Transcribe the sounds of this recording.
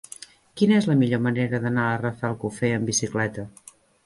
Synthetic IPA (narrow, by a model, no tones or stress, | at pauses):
kinəezləmiʎoməneɾəðənaərəfɛlˠkufɛəmbisiklɛt̪ə